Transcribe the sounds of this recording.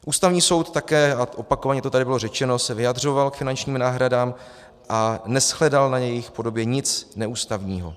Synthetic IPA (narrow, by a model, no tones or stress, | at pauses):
ʔuːst̪avɲiːso̞wt̪ːakɛːaʔo̞pako̞vaɲɛt̪o̞t̪adɪbɪlorɛt͡ʃɛno̞sɛvɪjadr̝o̞valkfɪnant͡ʃɲiːmnaːɦɾadaːm | ʔanɛsxlɛdalnajɛjɪxpo̞do̞bjɛɲɪt͡snɛuːst̪avɲiːɦo̞̰